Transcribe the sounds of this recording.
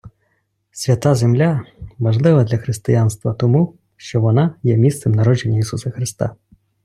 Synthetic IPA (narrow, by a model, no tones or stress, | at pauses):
sʲʋʲɐt̪azemlʲaʋɐʐlˠɪʋɐd̪lʲɐxɾɪst̪ɪjanst̪ʋɐt̪ɔmu | ʃt͡ʃɔʋɔnajɛmʲist̪sɛmnɐɾɔd͡ʒenʲːɐisusɐxɾɪst̪a̰